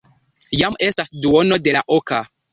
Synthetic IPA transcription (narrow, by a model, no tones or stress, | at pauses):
jame̞stasduono̞de̞laʔoka